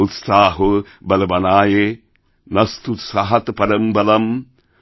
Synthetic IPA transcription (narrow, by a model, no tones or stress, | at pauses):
ut̪saːɦo | bɐlɐbɐnaːje | nɐst̪ut̪sɐɦɐt̪pɐɾɐmbɐlɐm